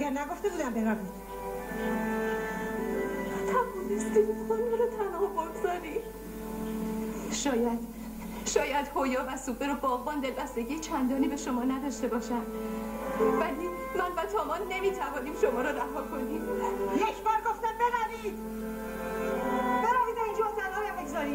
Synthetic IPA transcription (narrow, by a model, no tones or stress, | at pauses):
æɡæɾnæɡo̞ft̪ebuːd̪æmbebævid̪̥ | t̪ʰæbulist̪ibut̪xonɒɾɒt̪ʰænɒːboɡzɒːɾi | ʃɒːjæd̪̥ | ʃɒːjæd̪hojɒːvæsuːbeɾobɒːɣbɒːnd̪e̞lbæst̪e̞ɟiːjet͡ʃʰænd̪ɒːniːbe̞ʃo̞mɒːnæd̪ɒʃt̪e̞bɒːʃæn | væli | mænvæt̪ʰɒːmɒːnːe̞miːt̪ʰævɒːniːmʃo̞mɒːɾɔɾæɦɒːkʰo̞niːmjekʰbɒːɾɡoft̪æmbebæɾid̪ | b̥eɾafiːd̪eind͡ʒt̪ʰænɒːhjambeɡzɒɾiː